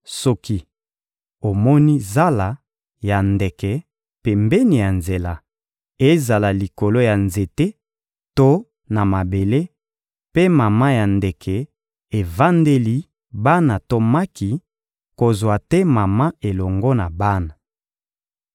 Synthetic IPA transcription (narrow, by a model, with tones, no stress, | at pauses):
sɔ˦ki˦ | o˨mɔ˦ni˦za˦la˨ | ja˨ndɛ˨kɛ˨ | pe˨mbɛ˦ni˨ja˨nze˨la˦ | e˦za˨la˨li˨ko˨lo˦ja˨nze˨te˦ | to˦ | na˨ma˨be˨le˦ | pe˦ma˨ma˦ja˨ndɛ˨kʰɛ˨ | e˨va˦nde˦li˦ | ba˦na˨to˦ma˦ki˨ | ko˨zwa˨tɛ˦ma˨ma˦e˨lɔ˨ŋɡɔ˦na˨ba˦na˨